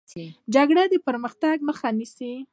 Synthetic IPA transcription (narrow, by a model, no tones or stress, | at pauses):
d͡ʒaɡɽad̪əpəɾməxt̪aɡməxanisi